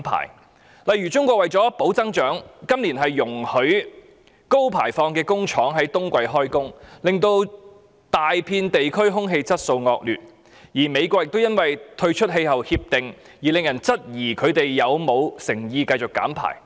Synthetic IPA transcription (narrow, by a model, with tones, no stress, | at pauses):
pʰa̰ː˨˩j | lɐ˨jɥyː˨˩t͡sʊ˥ŋkʷɔː˧kwɐ˨jt͡sɔː˨˥po˨˥wt͡sɐ˥ŋt͡ʃœː˨˥ŋkɐ˥mliː˨˩nɦɐ˨jːʊ˨˩ŋhɵ˨˥ɥ | ko˥wpʰa̰ː˨˩jfɔː˧ŋkɛː˧kʊ˥ŋt͡ʃʰɔː˨˥ŋɦɐ˨˥jt̪ʊ˥ŋkʷɐ˧jɦɔː˥jkʊ˥ŋlɪ˨ŋt̪o˧w | t̪aː˨jpʰiː˧nt̪e˨jkʰɵ˥ɥɦʊ˥ŋɦe˧jt͡sɐ˥t̚so˧wŋɔː˧k̚lyː˨t̚ | jiː˨˩me˨˧jkʷɔː˧k̚jɪ˨k̚t̪wjɐ˥nwɐ˨jt̪ʰɵ˧ɥt͡ʃʰɵ˥t̚ɦe˧jhɐ˨whiː˧p̚t̪ɪ˨ŋ | jiː˨˩lɪ˨ŋjɐ˨˩nt͡sɐ˥t̚jiː˨˩kʰɵ˨˧ɥt̪e˨jːɐ˨˧wmo˨˧wsɪ˨˩ŋjiː˧kɐ˧jt͡sʊ˨kːa̰ː˨˥mpʰa̰ː˨˩j